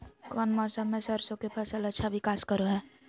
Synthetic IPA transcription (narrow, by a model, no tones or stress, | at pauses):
kɔːnmɔːsamẽsəɾsõkepʰəsələtːʃʰaʋɪkaːskəɾoɦɛ̃ː